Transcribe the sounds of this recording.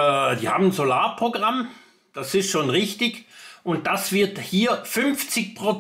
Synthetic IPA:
d̥iːha̰ːbmn̩n̩zolaːɐpʁ̥oɡʁam | d̥asɪsʃoːnʁɪçtɪçʊnt̚d̥asv̥ɪɐthiːɐfʏnft͡sɪçpʁ̥o

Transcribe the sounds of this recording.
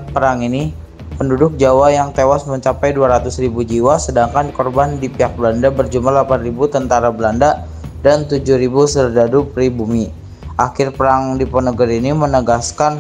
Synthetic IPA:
pəɾaŋini | pəndudʊk̚d͡ʒawajaŋt̪ewasməɲt͡ʃapajduaɾat̪ʊsribud͡ʒiwasədaŋkankɔrbandipiɦak̚bəlandabərd͡ʒumahlapanribut̪ənt̪aɾabəlanda | dant̪ud͡ʒʊhɾibusərdadupɾibumi | ʔakɪrpəɾaŋdipɔnəɡəɾinimənəɡaskan

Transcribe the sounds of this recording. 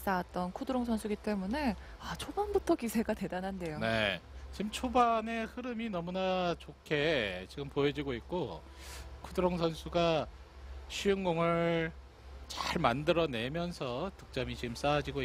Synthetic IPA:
s͈aat̚t͈ʌnkʰudɯɾoŋsʰʌnsʰuɡit͈e̞mune̞ | at͡ɕʰobanbutʰʌkisʰe̞ɡate̞danande̞jone̞̰t͡ɕimt͡ɕʰobane̞hɯɾɯminʌmunat͡ɕokʰe̞t͡ɕiɡɯmpojed͡ʑiɡoik̚k͈o | kʰudɯɾoŋsʰʌnsʰuɡa | ɕʰijɯŋɡoŋɯɭ | t͡ɕaɭmandɯɾʌne̞mjʌnsʰʌtɯk̚t͡ɕ͈amit͡ɕiɡɯms͈ad͡ʑiɡoi

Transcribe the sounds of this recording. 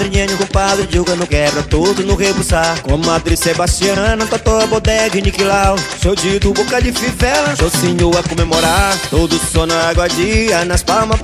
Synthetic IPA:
d̪ɾɪɲɐ̃ɲʊkõpad̪ɾɪd͡ʒuɡɐnʊɡɛbɾɐt̪od̪ʊnʊɦebusakõmad̪ɾɪsebast͡ʃiɐ̃nɐp̪at̪oɐbod̪ɛɡɪnikilawsewd͡ʒid̪ʊbokɐd͡ʒɪfivɛlɐsowseɲoɐkomemoɾaɾt̪od̪ʊsɔnaaɡwɐd͡ʒiɐnɐspawmɐ

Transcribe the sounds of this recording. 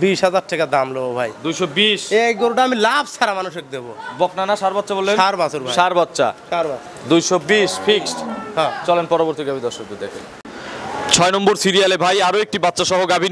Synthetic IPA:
biʃɦad͡ʑaɾʈɛkad̪amloobʱajd̪ujʃɔbiʃeɡoɾoʈaamilabt͡ɕʰaɾamanuʃek̚d̪ebobɔknanaʃaɾbatːʃabolːeaɾbat͡ɕoɾbʱaʃaɾbat̪ːɕa̰ʃaɾba | d̪ujʃɔbiʃfʰiksʈhãt͡ɕɔlenpɔɾoboɾt̪iɡabʱid̪ɔɾʃok̚d̪od̪ekʰḛn | t͡ɕʰɔenɔmboɾsiɾialebʱajaɾoek̚ʈibat̪ːɕaʃɔɦoɡabʱi

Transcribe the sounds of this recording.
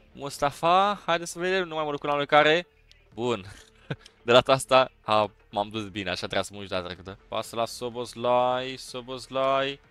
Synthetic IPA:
must̪afahajd̪esəved̪emnumajməd̪ukulalekaɾe | bun | d̪elat̪ast̪aa | mamd̪ut̪bina̰ʃat̪ɾeasəmuʃud̪at̪ɾəkɨt̪əpa̰səlasoboslajsobozlaj

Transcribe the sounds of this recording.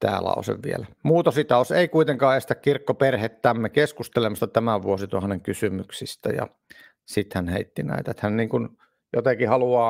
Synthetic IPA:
t̪æ̰ːlɑ̰o̰sḛʋʋielæmuːt̪osit̪ɑoseikuit̪eŋkɑːest̪ækkirkːoperhet̪t̪æmːekeskust̪elemɑst̪ɑt̪æmæʋʋuosit̪uɑhɑneŋkysymyksist̪æ̰jɑ̰ | sit̪hænhḛit̪ːinæ̰it̪æet̪hænniːŋkun | jot̪ekihɑluɑː

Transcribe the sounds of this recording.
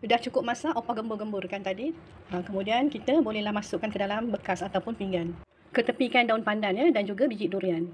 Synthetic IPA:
udaht͡ʃukʊp̚mãsaʔopaɡəmbʊrɡəmbʊrkant̪adi | əkəmũdiankit̪əbolɛhlahmasʊʔkːankədalambəkasat̪awpʊnpiŋɡan | kət̪əpikandaʊnpandanjədand͡ʒuɡabid͡ʒiʔduɾian

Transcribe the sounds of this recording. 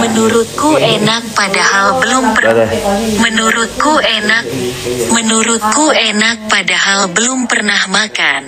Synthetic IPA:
mənuɾʊt̪̚kuenak̚padahalbəlʊmə | mənuɾʊt̪̚kuenamənuɾʊt̪̚kuenak̚padahalbəlʊmpərnahmakan

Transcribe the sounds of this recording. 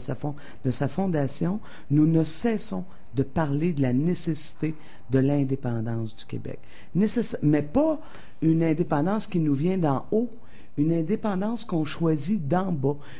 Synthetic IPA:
safɔ̃ | d̪əsafɔ̃d̪asjɔ̃ | nunəsɛːsɔ̃ | d̪əpaʁled̪əlanesesi̥t̪e | d̪əlɛ̃d̪epɑ̃d̪ɑ̃sd̪ykʲḛbɛ̰k | nesesɛmɛpa | ynɛ̃d̪epɑ̃d̪ɑ̃skʲinuvjɛ̃d̪ɑ̃o | ynɛ̃d̪epɑ̃d̪ɑ̃ːskɔ̃ʃwazid̪ɑ̃bɔ

